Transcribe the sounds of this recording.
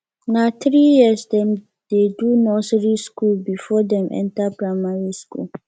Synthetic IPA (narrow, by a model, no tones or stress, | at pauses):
nãt̪ɾijiəsdɛ̃m | dedunɔsɾiskulbifɔdɛ̃mɛ̰̃ntapʰɹamaɹiskʰṵl